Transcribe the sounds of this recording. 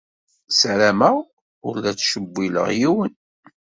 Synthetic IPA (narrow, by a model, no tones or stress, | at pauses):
sæɾæmæ | ʊɾlæt͡sʃəbːilə̰ʁjiwən